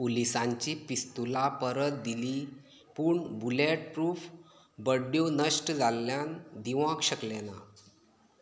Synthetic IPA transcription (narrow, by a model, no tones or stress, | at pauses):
polisãɲt͡ɕiːpist̪ulapəɾət̪̚d̪iliː | puːɳbuleʈ̚pɾuːf | bəɖjonəɕʈd͡zʱaljand̪iʋãkɕəklena